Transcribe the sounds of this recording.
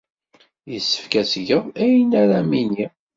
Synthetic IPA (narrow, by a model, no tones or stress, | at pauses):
jəsːə̥fkæsʝəðæjnæɾæmini